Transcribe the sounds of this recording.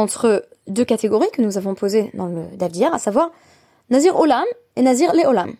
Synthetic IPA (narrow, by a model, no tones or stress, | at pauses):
ɑ̃t̪χə | d̪økat̪eɡɔʁikənuzavɔ̃pʰozed̪ɑ̃ləd̪avd̪ijɛʁasavwaʁ | naziʁolam | enaziʁleɔlam